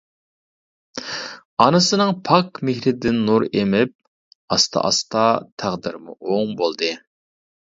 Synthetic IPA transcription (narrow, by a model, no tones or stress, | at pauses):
ɑnɨsɨnɨŋpʰɑkmɪhɾɪd̪ɪnːuɾemɪp̚ | ɑst̪ʰɑ̰ʔɑ̰st̪ɑt̪ʰæʁd̪ɪɾmṵʔoŋbolˠd̪ɨ